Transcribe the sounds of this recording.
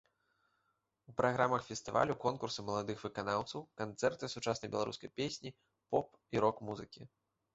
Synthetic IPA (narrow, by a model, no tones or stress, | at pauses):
upɾʔaɣɾamɐxfʲɛst̪ɨva̰lʲukɔnkursɨmɐlˠad̪ɨxvɨkanawt̪sɐwkant̪sɛrt̪ɨsut͡ʂasnɐjbʲɛlˠa̰ɾṵskɐjpʲesʲnʲi | pɔp | iɾɔkmuzɨkʲi